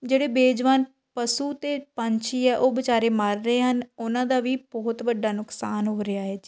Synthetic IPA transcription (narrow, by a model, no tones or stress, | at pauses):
d͡ʒeːɽeːbeːd͡ʒʋaːn | pəsuːt̪eːpəɲt͡ʃʰiːɛːʔoːbɪt͡ʃaːɾeːmaːɾːəeːɦənʊnãːd̪aːʋiːbɔːt̪ʋəɖːaːnʊksaːnɦoːɾɪaːɦɛːd͡ʒiː